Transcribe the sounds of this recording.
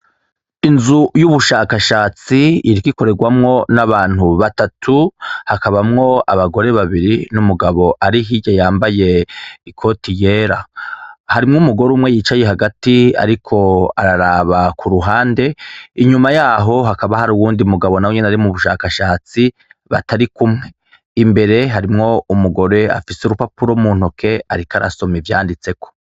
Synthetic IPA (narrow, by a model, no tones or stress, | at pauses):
inzujuβuʃaːkaʃaːt͡siiɾikiko̞ɾe̞ɡwamŋo̞naβaːn̥huβatatʰuhakaβamŋo̞a̰βaɡo̞ɾe̞βaβiɾinumuɡaβo̞ʔaɾiɦiɟajaːmbaje̞ikʰo̞tije̞ːɾahaɾimŋumuɡo̞ɾuːmŋe̞jiːt͡ʃaje̞ɦaɡatia̰ɾikʰo̞aɾaɾaːβakʰuɾuɦaːnde̞iɲumajaːɦo̞ɦakaβahaɾuwuːndiumuɡaβo̞nawoɲenaɾimuβuʃaːkaʃaːt͡si | βataɾikumŋe̞ | imbe̞ɾe̞ɦaɾimŋo̞umuɡo̞ɾe̞a̰fisuɾupapuɾomuːn̥hokʰe̞aɾikaɾʔa̰so̞mivja̰ːndit͡se̞kʰo̥